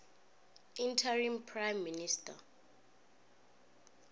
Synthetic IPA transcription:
intʰarimpʰrajmːinista

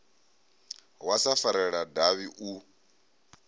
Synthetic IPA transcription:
wasafaɾɛɺadaβiʔu

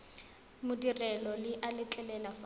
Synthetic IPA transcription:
mʊdirɛlɔlɪʔalɪt͡ɬʼɛlɛlafa

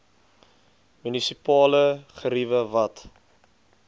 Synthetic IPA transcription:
mynisipɑːləχəɾivəvɐt

